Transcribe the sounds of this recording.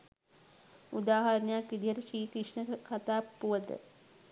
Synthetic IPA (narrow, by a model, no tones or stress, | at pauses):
ud̪aːɦɐɾɐnɐjakʋid̪ijəɾəʃiːkɾiʂɳəkat̪aːpːuʋɐt̪ə̰